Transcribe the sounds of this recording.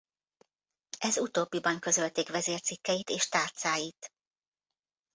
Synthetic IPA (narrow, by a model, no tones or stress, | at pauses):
ɛzut̪oːbːibɒŋkø̞zølt̪eːkʋɛzeːrt̪sikːɛjit̪eːʃt̪aːrt̪saːjit̪